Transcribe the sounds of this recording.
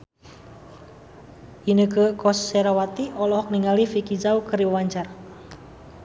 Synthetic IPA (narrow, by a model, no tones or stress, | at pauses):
inəkəkɔsːɛɾawat̪iʔɔlɔhɔk̚niŋalifikid͡ʒawkəɾiəwaɲt͡ʃar